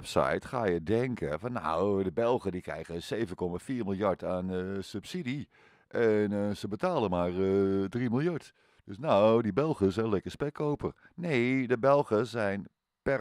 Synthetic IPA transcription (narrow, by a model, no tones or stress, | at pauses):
sa̰jtxa̰ːjədɛŋkʰəfɔnːa̰wdəbɛlˠxədikrɛ̰jɣəseːvəkɔmafiːrmilˠjaɹtanəsøpsidi | ʔɛnsəbətaːlˠəmaːrdrimilˠjaɹt | d̥øsnadibɛlˠxəsɛnlɛkəspɛkʰowpər | neːdəbɛlˠxəsɛjn | pɛ